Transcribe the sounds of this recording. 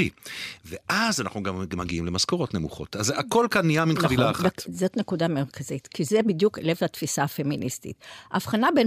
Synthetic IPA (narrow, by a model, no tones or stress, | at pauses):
iveʔazanaχnuɡammaɡiimlemaskoʁo̞tne̞muχo̞̰tazeako̞lkanːiaminχavilaːχaazotne̞kudameʁkʰazit̪kizebidjuklevhat̪fisaafe̞minʔḭstḭtaːfχanaben